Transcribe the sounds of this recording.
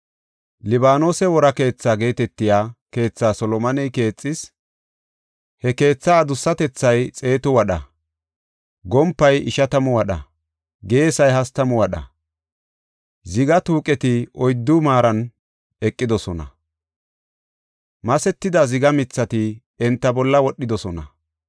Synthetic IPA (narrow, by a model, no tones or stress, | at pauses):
lɪbaːno̞ːsɛwɔɾɐke̞ːt͡sːaːɡe̞ːt̪ɛt̪ːɪjaːke̞ːt͡sːaːsɔlɔmɐnɛjke̞ːt͡sʼːɪs | hɛke̞ːt͡sːaːd̪ʊsːɐt̪ɛt͡sːɐjt͡sʼe̞ːt̪ɔwɐɗɐ | ɡɔmpːɐjɪʃɐt̪ɐmɔwɐɗɐ̰ | ɡe̞ːsɐjɦɐst̪ɐmɔwɐɗɐ̰ | zɪɡɐt̪uːkʼɛt̪ɪʔɔjd̪ːʊmaːɾɐn | ɛkʼːɪd̪ɔsɔnɐ̰ | mɐsɛt̪ːɪd̪ɐzɪɡɐmɪt͡sːɐt̪ɪ | ɛnt̪ːɐbɔlːɐwɔɗːɪd̪ɔsɔnɐ